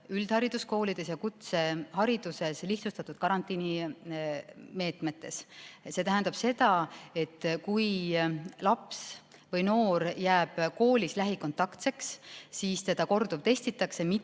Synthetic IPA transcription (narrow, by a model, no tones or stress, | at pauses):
yld̪̥hɑɾid̪̥usko̞ːlid̪̥e̞sjɑkut̪se̞hɑɾid̪̥use̞sliht̪sust̪ɑt̪ːˑud̪̥̚kɑɾɑnt̪ːˑini | me̞ːt̪me̞t̪ːˑe̞sse̞t̪æɦænd̪ɑb̥se̞d̪̥ɑe̞t̪ːˑkuj | lɑps | vɤjno̞ːɾjæːb̥ko̞ːlʲislæɦiko̞nt̪ːˑɑkt̪se̞kssiːst̪e̞d̪̥ɑko̞rd̪̥ub̥t̪e̞sʲt̪it̪ːˑɑkse̞mi